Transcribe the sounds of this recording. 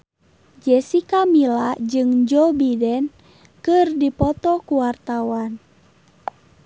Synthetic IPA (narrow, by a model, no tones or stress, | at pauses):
d͡ʒɛsikamilad͡ʒɨŋd͡ʒɔbidɛn | kɨrdipɔt̪ɔkuwart̪awan